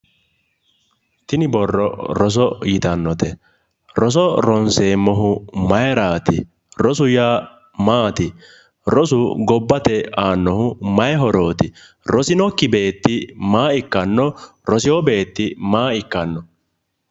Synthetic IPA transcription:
t̪ɪnɪbɔrːɔ̰ɾɔs̬ɔjɪt̪ɐnːɔt̪ɛ | ɾɔs̬ɔɾɔnseːmːɔɦʊmɐjɾaːt̪ɪ | ɾɔsʊjaː | maːt̪ɪ | ɾɔsʊɡɔbːɐt̪ɛaːnːɔhʊmɐjɦɔɾo̞ːt̪ɪ | ɾɔsɪnɔkːɪbe̞ːt̪ːɪmaːɪkːɐnːɔ | ɾɔsɪwɔbe̞ːt̪ːɪmaːɪkːɐnːɔ

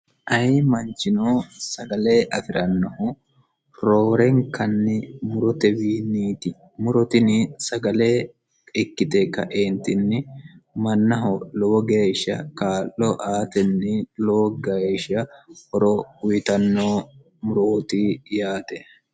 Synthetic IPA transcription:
ʔɐjmɐnt͡ʃɪnoːsɐɡɐle̞ːʔɐfɪɾɐnːɔhʊ | ɾoːɾɛŋkɐnːɪmʊɾɔt̪ɛbiːniːt̪ɪ | mʊɾɔt̪ɪnɪsɐɡɐleː | ɪkːɪt̪ɛkɐ̰ʔeːnt̪ɪnːɪmɐnːɐɦɔloːɡeːʃɐ̰kaːlːɔʔaːt̪ɛnːɪloːɡɐʃɐhɔɾɔʊjɪt̪ɐnːoː | mʊɾoːt̪ijaːt̪ɛ

